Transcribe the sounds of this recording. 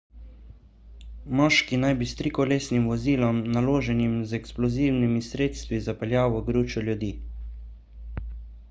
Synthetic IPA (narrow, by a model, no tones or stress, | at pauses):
mɔːʃkinajbist̪ɾikɔleːsnimʋɔziːlɔmnaloːʒɛnimzɛksplɔziːwnimisɾeːt̪st̪ʋizapɛljaːwəɡɾuːt͡ʃɔljud̪iː